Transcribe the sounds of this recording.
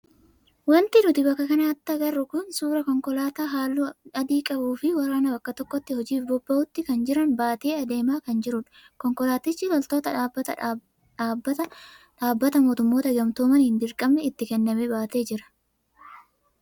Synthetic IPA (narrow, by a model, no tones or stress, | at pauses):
wɐnt̪ɪnʊt̪ɪbɐkːɐkɐnɐɐt̪ːɐɡɐrːʊkʊnsuːɾɐkɔŋkɔlaːt̪aːɦaːlːuɐd̪iːkʼɐbuːfɪwɐɾaːnɐbɐkːɐt̪ɔkːɔt̪ːɪhɔd͡ʒiːfbɔbːɐʔʊt̪ːɪkɐnd͡ʒɪɾɐnbaːt̪eːɐd̪e̞ːmaːkɐnd͡ʒɪɾʊᶑɐ̥ | kɔŋkɔlaːt̪ɪt͡ʃːɪlɔlt̪o̞ːt̪ɐ | ᶑaːbːɐt̪ɐᶑaːbːɐt̪ɐmoːt̪ʊmːo̞ːt̪ɐɡɐmt̪oːmɐnɪnd̪ɪɾkʼɐmnɛɪt̪ːɪkɛnːɐmɛbaːt̪e̞ːd͡ʒɪɾɐ̥